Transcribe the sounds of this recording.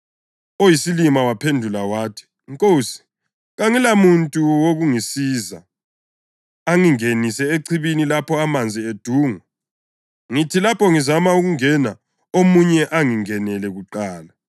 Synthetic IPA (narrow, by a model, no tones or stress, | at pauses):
ojisilimawapʰendʱulawaːtʰi̥ | ŋkʼoːsi̥ | ɣaŋilamuntʼuwoɣuŋisiːza | aŋiŋenisɛeǀʰiβinilapʰɔamand͡zʱied̥ʱuːŋa | ŋitʰilapʰɔŋizamauɣuŋɛna | omuɲɛʔaŋiŋɛnɛlɛɣuǃaːla